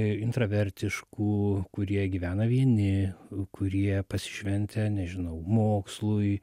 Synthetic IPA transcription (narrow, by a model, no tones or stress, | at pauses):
ɪnt̪ɾɐʋʲɛɾʲt̪ʲɪʃkuːkʊɾʲiɛɡʲiːʋʲæːnɐʋʲiɛnʲɪkʰʊɾʲiɛpɐsʲɪ̥ʃʲʋʲɛnʲt̪ʲɛnʲɛʒʲɪnɐʊmoːkslˠʊj